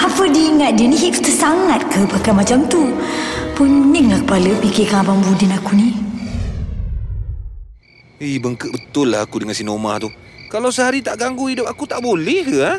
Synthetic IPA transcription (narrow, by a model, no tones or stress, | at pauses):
apədiːŋat̪̚diəniɦiʔut̪əsaŋat̪̚kəpakamat͡ʃamt̪upunːiŋlakəpaləpikikabaŋbudinakuni | əjbəŋkəʔbət̪ʊlːa̰akudəŋansinoma̰t̪u | kalawsəhaɾit̪aʔɡaŋɡuidʊp̚akut̪aʔbolɛha